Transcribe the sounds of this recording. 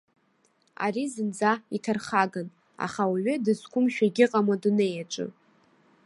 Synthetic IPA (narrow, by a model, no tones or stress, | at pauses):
a̰ɾizɨnd͡zaitʰarχaɡan | a̰χawaɥʏdɨzkʷʰʊmʃᶣaɡʲɪqʼamaduneːjat͡ʃʷʼɨ̰